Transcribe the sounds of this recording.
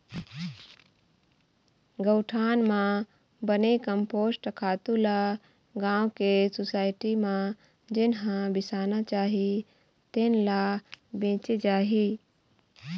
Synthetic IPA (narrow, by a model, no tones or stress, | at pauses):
ɡəʊʈʰaːnmã | bənekəmpoːsʈəkʰaːt̪ula | ɡãːwkesosaːɪʈimã | d͡ʒɪnɦãbɪsaːnat͡ʃaːɦi | t̪enlabẽːt͡ʃed͡ʒaːɦi